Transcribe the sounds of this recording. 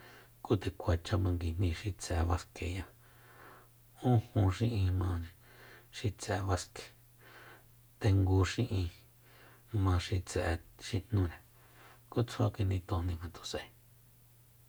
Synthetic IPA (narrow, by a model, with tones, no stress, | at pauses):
ku˦t̪e˨kʷa˨t͡ʃa˧mã˧ŋɡi˧n̥ĩ˧ʃi˧t͡sɛ˨˧βa˧ske˨ja˧ | ũ˦hũ˧ʃĩ˦ʔĩ˧mã˧ | ʃi˧t͡sɛ˨˧βa˧ske̥˨ | t̪e˧ŋɡu˧ʃĩ˦ʔĩ˧ | mã˧ʃi˧t͡sɛ˨˧ʃi˧n̥nũ˧ɾa˨ | ku˦t͡sʰa˦ki˧nd̪ĩ˧t̪õ˧nĩ˧hã˧t̪o˨sḛ̃˧˨